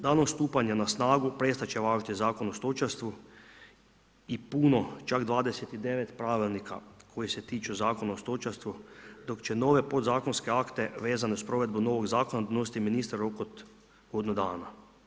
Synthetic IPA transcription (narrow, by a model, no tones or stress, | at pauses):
d̪aːnost̪uːpaɲanasnaːɡupɾest̪at͡ʃeʋaːʒt̪izaːkonost̪ot͡ʃast̪ʋu | ipuːno̞t͡ʃaɡd̪ʋaːd̪eset̪id̪e̞ʋet̪pɾaːʋilnika̰kʰo̞jiset̪iːt͡ʃuzaːkonaost̪ot͡ʃast̪ʋud̪o̞kt͡ʃeno̞ːʋe̞po̞d̪zaːko̞nskeakt̪e̞ʋe̞ːzaneuspɾo̞ʋe̞d̪bunoʋoɡzaːkonad̪ano̞sit̪iminist̪ɾaɾokot̪ | ɡd̪nud̪aːna